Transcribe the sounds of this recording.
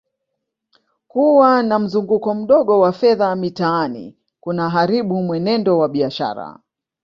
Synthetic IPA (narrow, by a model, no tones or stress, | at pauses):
kuwanam̩zuŋɡukɔm̩ɗɔɠɔwafɛðamitaanḭ | kunaɦaɾiɓumwɛnɛndɔwaɓiaʃa̰ɾa̰